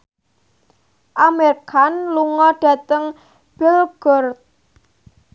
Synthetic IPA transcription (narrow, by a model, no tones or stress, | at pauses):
ʔamerkʰanluŋɔɖ̥a̤t̪əŋ | b̥ɪlɡ̥ɔrt̪̚